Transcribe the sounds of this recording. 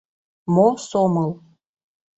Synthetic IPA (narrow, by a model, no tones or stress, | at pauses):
mosomɤlˠ